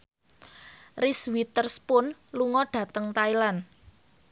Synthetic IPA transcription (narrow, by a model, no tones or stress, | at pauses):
riswit̪ərspʊnluŋɔɖ̥ä̤t̪əŋt̪ailan